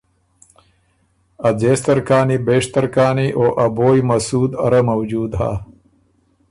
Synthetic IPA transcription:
ɐd͡zeːst̪ɐɾkaːnibeːʂt̪ɐɾkaːniʔoːʔɐboːjmɐsuːd̪ɐɾɐmɐwd͡ʒuːd̪ɦa̰ː

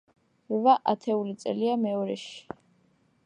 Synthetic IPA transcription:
vaʔat̪ʰɛulit̪sʼɛ̰liamɛɔɾɛʃi̥

